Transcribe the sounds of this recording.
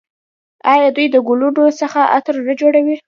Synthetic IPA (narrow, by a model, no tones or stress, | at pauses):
ɑjɑd̪ujd̪əɡulunosəxaʔa̰t̪ɾnəd͡ʒoɽawi